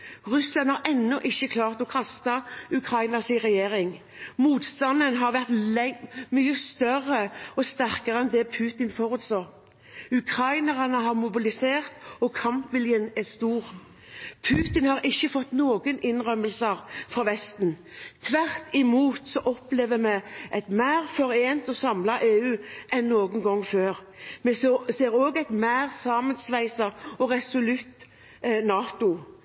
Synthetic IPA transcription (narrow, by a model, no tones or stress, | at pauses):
ʁʉslɑnhɑʁʔɛnːɔʔɪçːəkʰlɑːʁt̪ɔkʰɑst̪ɑʉkʰɾɑɪnɑsɪʁɛjeːʁɪŋ | muːt̪st̪ɑnd̪ənɦɑʁʋæʁt̪ | myːəst̪œrəɔst̪æʁkəʁəɛnd̪ɛpʰʉːt̪ɪnfɔʁʉt̪sɑːʁ | ʉkʰɾɑɪnəʁɑnəɦɑʁmʊbɪlɪseːʁt̪ɔkʰɑmpʋɪljənɛst̪uːʁ | pʰʉːt̪ɪnhɑːɾɪçːəfɔt̪ːnoːɡənʔɪnʁœməlsəʁfʁɑːʋɛst̪nt̪ʰʋæʁt̪ɪmuːt̪sɔʔɔpleːʋəmɛʔæɪt̪mæɪʁfɔɾeːnt̪ɔsɑmlɑʔeːʉːʔɛnːoːɡənɡɔŋːføːʁ | mɛseːɾoːɡæɪt̪mæɪʁsɑːmənsʋæɪsɑɔʁɛsʊlʉt̪ | nɑːt̪ʊ